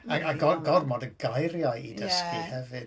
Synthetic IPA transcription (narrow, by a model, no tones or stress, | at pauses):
aaɡɔɡɔrmɔdəɡajɾjajidəskihɛvɨd